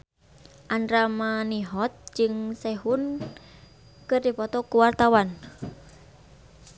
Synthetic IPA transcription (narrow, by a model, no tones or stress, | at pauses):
ʔanɾamaniɦɔt̪̚d͡ʒɨŋsɛɦʊn | kɨrdipɔt̪ɔkuwart̪awan